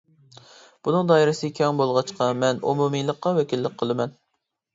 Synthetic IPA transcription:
b̥unɨŋd̪ɑːiɾɪsɪkʲʰɛŋbolˠʁɑt͡ʃqɑmɛnṵmumijlˠəqːɑwɛkʲilːɪk̚ʲqʰəlˠɨmɛn

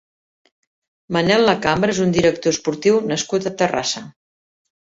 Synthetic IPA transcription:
mənɛlˠːəkambɾəezund̪iɾək̚t̪ospuɾt̪iwnəskut̪ət̪əra̰sə

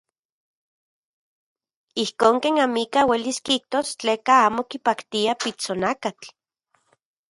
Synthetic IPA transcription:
ihkoːŋkeːnamikaweliskiik̚t̪ost͡ɬeːkaaːmokipakt̪iapit͡sonakat͡ɬ

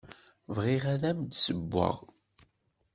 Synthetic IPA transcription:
vʁiʁæðæmd̪səbːə̰ʁ

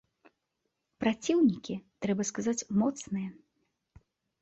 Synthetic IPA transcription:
pɾat͡sʲiwnʲikʲit̪ɾɛbɐskazat͡sʲmɔt̪snɨjɐ

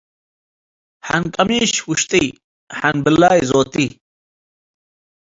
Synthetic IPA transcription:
hankɐmiːɕwuɕt̪ij | hɐnbilːaːjzoːt̪i

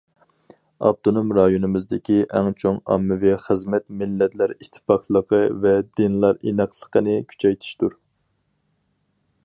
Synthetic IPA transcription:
ɑ̰b̚t̪ʰonumɾɑjonɨmɪzd̪ɪkʲiʔɛŋt͡ʃʰoŋɑ̰mːɨviχəzmɛt̪mɪlːɛt̪læɾit̪ʰːɪ̥pɑqlˠəqʰəvɛd̪ɪnlˠɑɾinəqʰlˠə̥qənɨkʲʰy̥t͡ʃʰɛjt̪ʰi̥ʃt̪uɾ

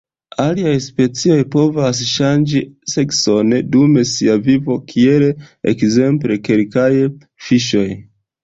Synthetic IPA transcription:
aliajspe̞t͡sio̞jpo̞vas̬ʃand͡ʒisekso̞ndume̞siavivo̞kʰie̞leḛkze̞mple̞ke̞lkaj | fiʃo̞j

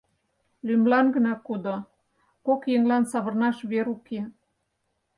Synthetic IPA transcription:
lymlɑnɡə̆nɑkud̪o | kokjeŋlɑnsɑβərnɑʃβeɾuke

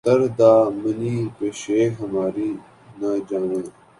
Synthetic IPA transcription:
t̪ɐɾd̪aːmɐniːpeɕeːɦɐmaːɾiː | naːd͡ʒaːʋə̃ː

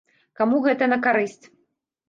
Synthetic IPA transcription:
kamuɣɛt̪ɐnɐkaɾɨsʲt͡sʲ

